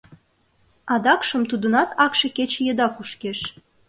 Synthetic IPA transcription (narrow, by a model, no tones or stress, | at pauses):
ɑd̪ɑkʃəmt̪ud̪ə̆nɑt̪ʰɑkʃeket͡ɕejəd̪ɑkuʃkeʃ